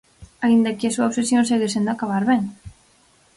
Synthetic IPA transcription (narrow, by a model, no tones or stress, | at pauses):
aĩnd̪akeasuaoβsesjõnseɣisend̪akaβaɾβeŋ